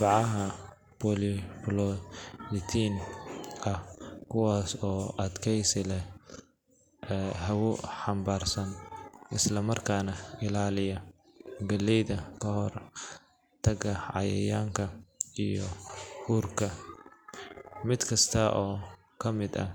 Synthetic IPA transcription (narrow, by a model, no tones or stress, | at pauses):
bɑʕɑɦɐ | bʰɔlɪplɔlɪt̪ʰiːn | ɐhkʰʊwaːsɔːʔɐd̪kʰɛjsɪlɛ | ɦɐwʊħɑmbaːrsɐnɪslɐmɐrkʰaːnɐɪlaːlɪjɐ | ɡɐlːɛjðɐkʰɐɦɔr | t̪ʰɐɡɐʕɑ̰jɛ̰jaːŋkʰɐijɔhuːrkʰɐ | mɪd̪kʰɐst̪ʰɐʔɔː | kʰɐmɪd̪ɐ̰